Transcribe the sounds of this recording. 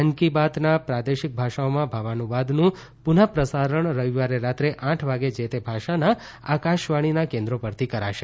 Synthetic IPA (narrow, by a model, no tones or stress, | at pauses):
ənkibat̪napɾad̪eʃik̚bʱaʃaomãbʱaʋanubad̪nũ | punapɾəsaɾəɳɾəʋiʋaɾeɾat̪ɾeʔãʈʰʋaɡed͡ʒet̪ebʱaʃana | akaʃʋaɽ̃inakẽnd̪ɾopəɾt̪ʰikəɾaʃe